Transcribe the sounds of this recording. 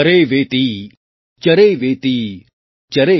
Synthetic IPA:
ɐɾeːʋeːt̪iː | t͡ʃɐɾeːʋeːt̪iː | t͡ʃɐɾeː

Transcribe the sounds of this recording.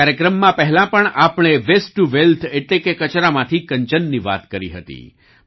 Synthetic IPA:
aɾjəkɾəmːãpɛɦɛlãpəɳapɳ̃eʋesʈʈːuʋelt̪ʰeʈlekekət͡ʃɾamãt̪ʰikəɲt͡ʃənːiʋa̰t̪kəɾḭɦət̪ḭ

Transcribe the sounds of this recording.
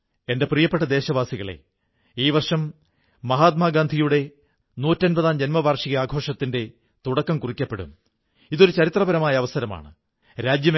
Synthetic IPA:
e̞nde̞prijɐpːe̞ʈ̬ːɐd̪e̞ːɕɐʋaːsiɣɐɭe̞̰ | iːʋɐrʂɐmː | ɐɦaːt̪̚maːɡaːnd̪ʱijuɽe̞ | nuːtːɐnbɐðaːmd͡ʑenmɐʋaːrʂiɣɐaːɡʱo̞ːʂɐt̪ːinde̞ | t̪uɽɐkːɐmkurikʲːɐpːe̞ɽṵm | iðo̞ɾut͡ɕɐɾit̪rɐbɐɾɐmaːjɐɐʋɐsɐɾɐma̰ːɳɨ | ɾaːd͡ʑjɐm

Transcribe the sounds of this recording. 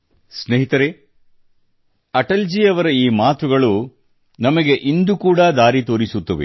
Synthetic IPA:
sneɦit̪ɐɾe | ɐʈɐld͡ʒiːɐʋɐɾɐiːmaːt̪uɡɐɭu | nɐmɐɡe̞ʔind̪ukuːɽɐd̪aːɾit̪o̞ːɾisut̪ːɐʋḛ

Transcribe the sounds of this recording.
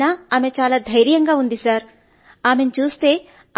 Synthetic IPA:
aːaːme̞t͡ʃaːlaːd̪ʱɐjɾjɐŋɡaːund̪isaːɾ | aːme̞nut͡ʃuːst̪e̞ː

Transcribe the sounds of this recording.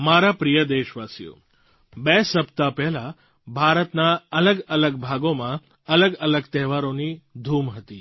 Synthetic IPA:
maɾapɾijəd̪eʃʋasijo̰ | besəpt̪apɛɦla | bʱaɾət̪naələɡələɡ̚bʱaɡomã | ələɡələɡt̪ɛɦʋaɾonid̪ʱumɦət̪i

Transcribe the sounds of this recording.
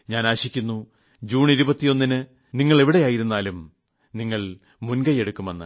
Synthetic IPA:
ɲaːnaːɕikʲːunːu | d͡ʑuːɳiɾubɐt̪ːijo̞nːinɨ | niŋːɐɭe̞ʋiɽe̞jaːjiɾunːaːlum | niŋːɐɭ | munɡɐje̞ɽukːumɐnːɨ̰

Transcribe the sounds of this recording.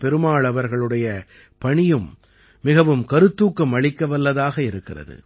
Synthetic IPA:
pɛɾɯmaːɭɐʋɐɾɣɐɭɯɽɐjɐ | pɐɳɪjɯmː | ɪɣɐʋɯmkɐɾɯt̪ːuːkːɐmɐɭɪkːɐʋɐlːɐðaːɣɐɪɾɯkːɪrɐ̰ðɯ̰

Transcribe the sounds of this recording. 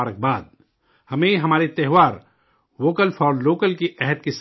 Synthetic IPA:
aːɾək̚baːd̪̚ | hɐmẽɦɐmaːɾit̪ɛɦʋaːɾ | ʋoːkəlfɔːɾloːkəlkiʔɛɦəd̪̚kis

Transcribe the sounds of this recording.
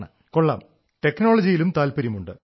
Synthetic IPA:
ɳɨ̰ | koɭːa̰ːm | ʈe̞kːnoːɭɐd͡ʑijilumt̪aːlpɐɾjimuɳɖɨ

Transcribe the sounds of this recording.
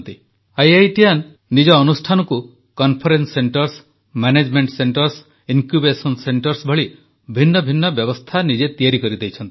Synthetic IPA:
t̪i | ajajʈianː | id͡ʒɔːnusʈʰanɔku | kɔnpʰɔɾenseɳʈɔɾs | maned͡ʒmeɳʈseɳʈɔɾs | iŋkjubesɔnseɳʈɔɾsbʱɔɭi | bʱinːɔbʱinːɔbjɔbɔst̪ʰanid͡ʒet̪ijaɾikɔɾid̪ejt͡ʃʰɔnt̪i

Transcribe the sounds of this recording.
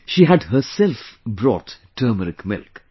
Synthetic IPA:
ʃiːɦæɖhəɾsɛlfbɾɔ̰ːtːʰəːməɾɪkmɪ̰lk

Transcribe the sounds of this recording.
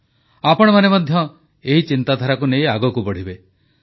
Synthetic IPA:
apɔɽ̃ɔmanemɔd̪ʱjɔ | eɦit͡ʃint̪ad̪ʱaɾakunejaɡɔkubɔɽ̤ibe

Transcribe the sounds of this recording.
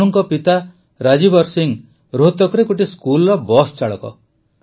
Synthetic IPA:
ɔŋkɔpit̪a | ɾad͡ʒibɔɾsiŋ | ɾoɦt̪ɔkɔɾekoʈ̬iskulɾɔbɔst͡ʃaɭɔ̰kɔ̰

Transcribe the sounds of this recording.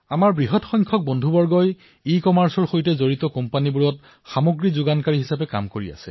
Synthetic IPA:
amaɹbɹiɦɔtxɔjŋkʰɔk̚bɔndʱubɔɹɡɔj | ikɔmaɹsɔɹxojtɛzoɹitɔkɔmpanibuɹɔt̚ | xamoɡɹizuɡankaɹiɦisapɛka̰mkoɹia̰sɛ̰

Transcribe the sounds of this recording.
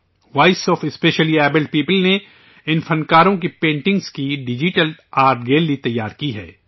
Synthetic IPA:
waːɪsɔːfɪspeːʃəliɛːbɪlɖ̚piːpəlne | ɪnfɐ̃nkaːɾõkipẽːɳʈɪ̃ŋɡz̥kiɖɪd͡ʒɪʈəlaːɾʈɡeːlːit̪ɐjːaːɾkiɦɛ̰ː

